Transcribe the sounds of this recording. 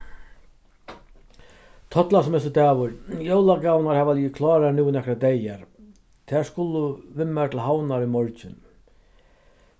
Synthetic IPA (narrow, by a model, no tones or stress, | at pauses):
t̪ʰɔt̪lasɔmɛsʊt̪ɛːʋʊɾjowlaɡawnaɾhɛːʋaliːɪkʰlɑːɾanuwnɛkɾad̪ɛjaɾ | t̪ʰɛːɹskʊlʊʋɪmːat̪ʰɪlɦawnaɾimɔɹt͡ɕɪn